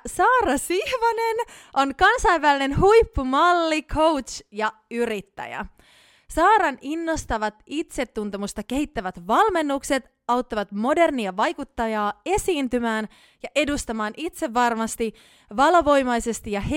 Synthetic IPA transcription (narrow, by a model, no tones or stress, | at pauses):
sɑːrɑsihʋɑne̞n | ʔo̞nkɑnsɑiʋʋæline̞nhujpːumɑlːikʰo̞wt̪t͡ʃjɑyɾit̪ːæ̰jæ̰ | sɑːɾɑninːo̞st̪ɑʋɑt̪it̪se̞t̪ːunt̪e̞must̪ɑk̟e̞ɦit̪ːæʋæt̪ʋɑlme̞nːukse̞t̪ | ɑwt̪ːɑʋɑt̪mo̞de̞rniɑʋɑjkut̪ːɑjɑːe̞siːnt̪ymæːn | jɑʔe̞dust̪ɑmɑːnit̪se̞ʋːɑrmɑst̪i | ʋɑlʋo̞jmɑjse̞st̪ijɑhe